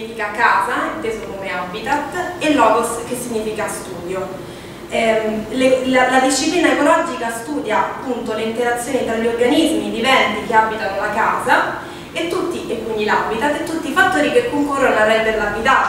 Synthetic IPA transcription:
ifikakːaːzaet̪ːeːzokomeabit̪at̪ːelːɔɡoskesːiɲːiːfikast̪uːd̪jo | ɛlelalad̪isʃːipliːnaekolɔd͡ʒikast̪uːd̪jaapːunt̪oleint̪eɾat̪sːjoːnit̪ɾaʎːiorɡanizmid̪ivɛnt̪ikeabit̪anolakaːza | et̪ːut̪ːiʔekːuɲːilabit̪at̪ːet̪ːut̪ːifat̪ːoːɾikekːukuɾonarɛnd̪eɾlaɡit̪a

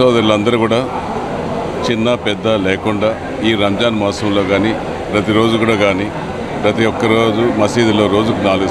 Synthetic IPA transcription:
oːd̪ɐɾulɐnd̪ɐɾukuːɽaː | t͡ʃinːɐpɛd̪ːɐleːkuɳɖaː | iːɾɐmd͡ʒaːnmaːsɐmlo̞ːɡaːniː | pɾɐt̪iɾo̞ːd͡ʒukuːɽaːɡaːniː | pɾɐt̪̬ijɔkːɐɾo̞ːd͡ʒumɐsiːd̪ilo̞ːɾo̞ːd͡ʒukunaːluɡu

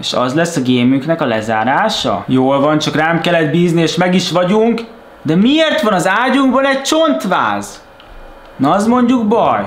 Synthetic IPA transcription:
eːʃɒ̰zlɛsːɒɡeːmyŋknɛkɒlɛzaːɾaːʃɒ̰joːlvɒnt͡ʃɒkraːmkɛlːɛd̪biːznieːʃmɛɡiʃʋɒɟuŋk | d̪ɛmieːrt̪ʋɒnɒzaːɟuŋɡbɒnɛɟ̚t͡ʃo̞nt̪ʋa̰ːz | nɒzmo̞ɲɟuɡbɒj

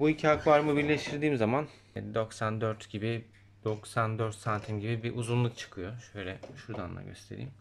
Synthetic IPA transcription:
buicʰihakvaɾmɯbiɾlʲeʃt̪ʰiɾd̪iːmzaman | d̪o̞ksand̪øɾt̪ɟibi | d̪̥o̞ksand̪øɾt̪sant̪ʰimɟibibiʔuzunlˠuk̚t͡ʃʰɯ̥kʰɯjo̞ʃø̞jlʲɛʃuɾd̪anlˠa̰ɟø̰st̪ʰe̞ɾḭːm

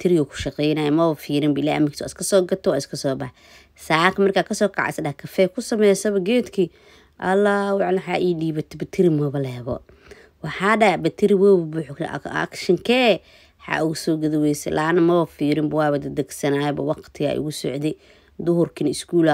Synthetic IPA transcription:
t̪ʰɪɾɪɣɐkʰʊ̥ʃɑqɛːjnaːjɛmɐβɐfiːɾɪmbɐlaːjɐ̰mɪkʰi̥ːswa̰ɪskʰɐsɔːɡɐt̪ʰɔwaɪskʰɐsɔːbɐħ | saːkʰɐmɐrkʰaːkʰɐsɔːkʰɐ̰ʕa̰sɐdɐkʰɐfɛːkʰʊsɐmɛjsɐβɐɡɛːd̪kʰi | ʔɐlawɪʕlɐħa̰ːʔiːdiːbɐt̪ʰbɐt̪ʰɪɾɪmɐβɐlɛβɔ̰ | wɑħaːɖɐbɐt̪ʰɪɾɪwɔbɐbʊħkʃɐŋkʰɛː | ħa̰ʔʊɣʊsɔːɡɐðɐwɛjsɛ̰lʔaːnɐmɐβɐfiːɾɪmbɐwaːβɐd̪ɐd̪ɐɡsɐnaːjɛbɐwɑqt̪ʰɪɣa̰ʔʊ̰ɣʊsɔ̰ʕd̪ɛ | d̪ʊɦʊrkʰɪnɪskuːl

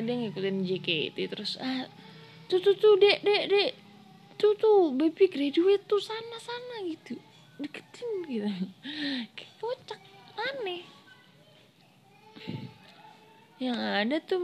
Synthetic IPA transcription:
adajaŋikut̪ɪnd͡ʒekḛt̪it̪ɾʊsa | t̪ut̪ut̪udɛʔdɛʔdɛʔ | t̪ut̪ubebiɡɾaduet̪ːusanasanaɡit̪u | dikə̥t̪ɪŋɡit̪u | kɛ̥pot͡ʃak̚lanɛ | jaŋadat̪u

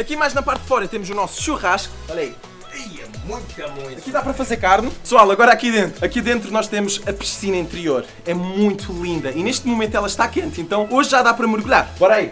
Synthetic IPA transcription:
ɐkimajʒnɐpaɾt̪̚d̪fɔɾɐt̪emuzunɔsu̥ʃuʁaʃku̥ɔʎɐi | ɐiɛmũj̃t̪u̥kɐmõɐkiðapɐɾɐfɐzeɾkaɾnupɨ̥swalˠɐɣɔɾakiðẽnt̪ɾuɐkiðẽnt̪ɾunɔʃt̪emuʃɐpɨ̥ʃsinɐĩnt̪ɾioɾ | ɛmũj̃t̪ʰulˠĩnd̪ɐineʃt̪mumẽnt̪wɛlˠɐʃt̪akẽnt̪uẽnt̪ɐ̃w̃oʒʒaðapɾɐmɨɾɣuʎaɾbɔɾɐi

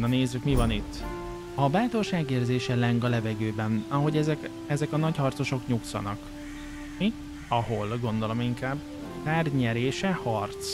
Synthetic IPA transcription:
nɒneːzːykmivɒnit̪ː | ɒbaːt̪o̞rʃaːɡeːrzeːʃɛlɛŋɡɒlɛvɛɡøːbɛnɒɦo̞ɟɛzɛk | ɛzɛkɒnɒchɒrt̪so̞ʃo̞kɲuksɒ̰nɒk | mi | ɒho̞lɡo̞nd̪o̞lo̞miŋkaːb | taːrɲɛɾeːʃɛhɒrt̪s

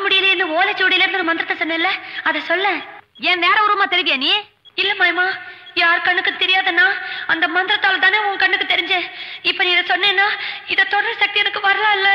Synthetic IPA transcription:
mʊɽɪjɪleɾnd̪ɯoːlɛt͡ʃːuʋɐɽɐɪjlːɪɾɯnd̪nɐmɐnd̪ɪɾɐt̪ːɐsɔnːɛ̃ɪlːɛɐðɛsɔlːɛ̃ːɛ̃ːʋeːɾɐʊɾɯmaːt̪ɛɾɪʋɪjẽːnie | ɪlːɛmaːjmaːjaːɾkɐɳːɯkːɯt̪ɛɾɪjaːðɐnːaːɐnd̪ɐmɐnd̪ɪɾɐt̪ːaːlɐt̪aːneːʊ̃ŋkɐɳːɯkːɯt̪ɛɾɪɲd͡ʒẽːɪpːoːnĩːɪðɛsɔnːeːnːaːɪðɐt̪ɔɽɐɾsɐk̚t̪ijɛnɐkːɯʋɐɾɐlãːɪlːɛ

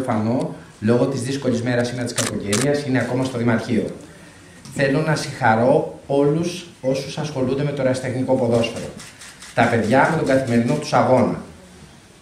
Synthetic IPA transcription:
fɐno̞ | lo̞ɣo̞t̪izðisko̞lizme̞ɾɐsinɐt̪i̥skɐko̞ce̞niɐsine̞ɐko̞mɐst̪o̞ðimɐɾçio̞̰ | θe̞lonɐsiŋxɐɾo̞o̞lus | o̞susɐsxo̞lund̪e̞me̞t̪o̞ɾɐsi̥t̪e̞xniko̞po̞ðo̞sfeɾo̞̰t̪ɐpe̞ðʝɐme̞t̪o̞ŋɡɐθime̞ɾino̞t̪u̥sɐɣo̞nɐ̰

